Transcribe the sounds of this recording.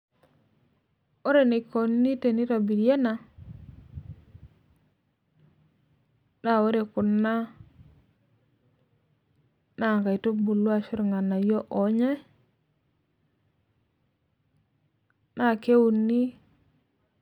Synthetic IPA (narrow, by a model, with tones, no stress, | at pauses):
o˦ɾe˨ne˨ko˨nːi˦te˨ni˦ɾa˨bi˨ɾje˦na˨ | na˦˨o˦ɾe˨ku˨nːa˦ | na˦˨ka˨i˨to˦bu˨lwa˦ʃu˦ɾŋa˨na˨jo˦ʔo˨ɲe˦ | na˦˨ke˦wu˨nːi˦